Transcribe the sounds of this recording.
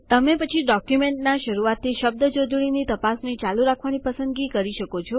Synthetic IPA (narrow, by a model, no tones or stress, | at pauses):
t̪əmepət͡ʃʰiɖɔkjumeɳʈnaʃəɾuʋat̪ʰːiʃəb̚d̪əd͡ʒod̪ʱɽinit̪əpasnit͡ʃaluɾakʰʋanipəsə̃nd̪ɡikəɾiʃəkot͡ʃʰo